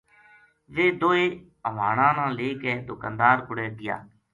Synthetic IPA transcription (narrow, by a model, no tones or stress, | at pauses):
ʋeːd̪oːeː | əʋaːɳãːnãːleːkɛːd̪ʊkaːnd̪aːɾkʊɽeːɡɪja̰ː